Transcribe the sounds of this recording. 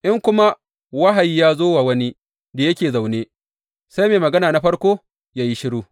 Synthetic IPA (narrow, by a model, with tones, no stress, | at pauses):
ʔɪ˦ŋkʷʊ˦ma˦ | wa˦ɦa˨ji˦jaː˦zoː˦wa˨wɐ˦ni˦ | da˨jɐ˦kʲeː˨za˨wneː˦ | sa˦jmeː˨mɐ˨ɡɐ˦naː˨na˦ɸɐ˦ɽkʷoː˦ | jaː˦ji˦ʃɪ˦ɽuː˦